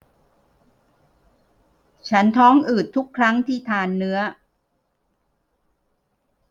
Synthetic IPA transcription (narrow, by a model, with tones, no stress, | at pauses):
t͡ɕʰa˦˥nt̪ʰɔː˦˥ŋʔɯː˨˩t̪ʰːu˦˥kʰːɾa˦˥ŋt̪ʰiː˥˩t̪ʰaː˧nːɯ˦˥ɐ